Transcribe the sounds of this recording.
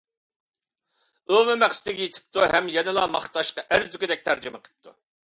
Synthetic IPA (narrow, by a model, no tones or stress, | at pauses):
omɨmæqst̪ɪɡʲijet̪ʰɪ̥p̚t̪uɦɛmjɛnɨlˠɑmɑχt̪ʰɑʃqɑʔæɾzykʲɪd̪ɛk̚ʲt̪ʰæɾd͡ʒɪməqʰə̥p̚t̪ʰu